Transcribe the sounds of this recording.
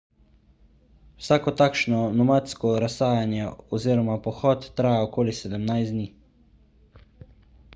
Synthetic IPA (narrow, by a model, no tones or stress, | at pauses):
wsaːkɔt̪aːkʃnɔnɔmat̪skɔɾasaːjanjɛɔziːɾɔmapɔxɔːt̪ːɾaːjaɔkoːlisɛd̪əmnajszd̪niː